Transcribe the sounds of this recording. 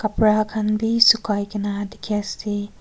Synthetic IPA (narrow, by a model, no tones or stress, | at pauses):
kapɾakʰanbisukajkɐnadikʰasi